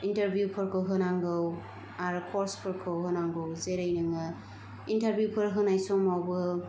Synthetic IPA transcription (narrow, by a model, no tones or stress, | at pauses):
intɐɾbʱjupʰɯɾkʰɯwɦɯnaŋɡɯw | aɾkʰɔɾspʰɯɾkʰɯwɦɯnaŋɡɯwzeɾajnɯŋa | intaɾbjupʰɯɾɦɯnajsɔmawbɯ